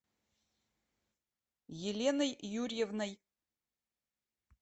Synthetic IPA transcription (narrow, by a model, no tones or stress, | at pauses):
jelʲenɐjjurʲjevnɐj